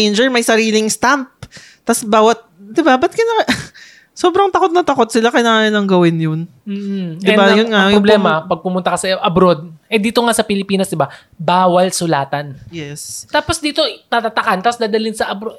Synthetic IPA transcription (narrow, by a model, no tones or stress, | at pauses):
jnd͡ʒɛɹmɐjsɐɾiːlɪŋst̪amp̚ | t̪ɐsbaːwɐt̪̚d̪ɪbabɐt̪̚kɐnɐ | so̞ːbɾɐŋt̪ɐko̞t̪̚nɐt̪ɐkot̪̚sɪlakɐjnaanɪlɐŋɡɐwɪnjon | m̩ːd̪ɪbajʊnŋajʊoblɛːmɐpɐɡ̚pʊmʊnt̪ɐkɐsɐʔɐbɾod̪̚ʔɛd̪iːt̪o̞ŋasɐpɪlɪpiːnɐsd̪ɪba | baːwɐlsʊlaːt̪ɐnjɛst̪aːposd̪iːt̪o̞t̪at̪at̪ɐkant̪asd̪aːd̪ɐlɪnsɐʔɐbɾo